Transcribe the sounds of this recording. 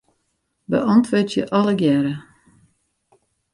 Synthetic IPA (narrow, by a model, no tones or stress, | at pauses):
bə̰ʔɔntʰʋøtjəʔɔləɡjɛɾə